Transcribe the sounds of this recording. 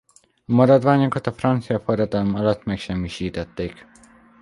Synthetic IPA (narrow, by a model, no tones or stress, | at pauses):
ɒmɒɾɒd̪ʋaːɲokɒt̪ɒfrɒnt̪sijɒfoɾɒd̪ɒlmɒlɒt̪mɛkʃɛmːiʃiːt̪ɛt̪ːeːk